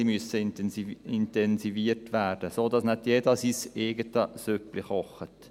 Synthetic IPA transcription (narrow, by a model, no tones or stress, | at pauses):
imyəsəniɪntɛnsiviːərtʋæːrd̥əsoːdɑsnɛt̪jeːdɑsiseːɡətəsøplɪχɔχət̪